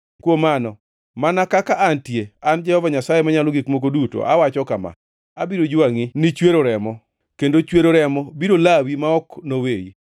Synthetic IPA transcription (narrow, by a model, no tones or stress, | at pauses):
kwomanɔ | manakakaʔantjeand͡ʒɛhɔvaɲasajemaɲaloɡikmok̬oduto̰ʔa̰wat͡ʃɔkama̰ | abiɾod͡ʒaŋɪnɪt͡ʃweɾoɾɛmɔ | kendot͡ʃweɾoɾɛmɔbiɾolawimaɔknowejḭ